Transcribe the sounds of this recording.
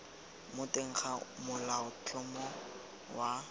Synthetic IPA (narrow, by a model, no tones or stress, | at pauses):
mʊteŋ̩χamʊlaʊt͡ɬʰʼɔmɔ | wa